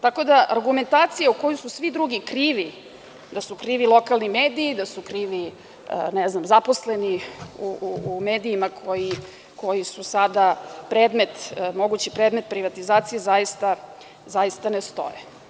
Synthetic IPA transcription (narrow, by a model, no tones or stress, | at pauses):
t̪ako̞d̪aʔa̰ɾɡume̞nt̪aːt̪sijauko̞jususʋid̪ɾuɡikɾiːʋi | d̪asukɾiːʋilˠo̞kalnimeːd̪iːd̪asukɾiʋḭ | nɛznamzaposleniuuumeːd̪iːmakʰo̞ji | kʰo̞jisusad̪apɾeːd̪me̞t̪mo̞ɡut͡ɕipɾeːd̪me̞t̪pɾiʋat̪izaːt̪sijezajist̪a | zajist̪anest̪o̞̰je